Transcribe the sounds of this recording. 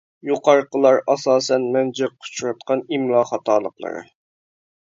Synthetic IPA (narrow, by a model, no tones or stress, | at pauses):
juqʰɑɾqəlˠɑɾɑsɑːsɛnmɛnd͡ʒɪqʰʊ̥t͡ʃʰɾɑt̪̚qʰɑnimlˠɑːχɑt̪ʰɑːlˠəqlˠə̰ɾɨ̰